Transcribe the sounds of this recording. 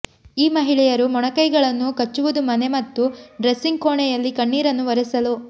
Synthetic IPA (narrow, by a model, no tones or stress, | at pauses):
iːmɐɦiɭɛjɐɾumɔɳɐkɐjɡɐɭɐnːukɐt͡ʃːuʋud̪umɐne̞mɐt̪ːuɖɾɐsːiŋɡkoːɳɛjɐlːikɐɳːiːɾɐnːuʋɐɾɐsɐlu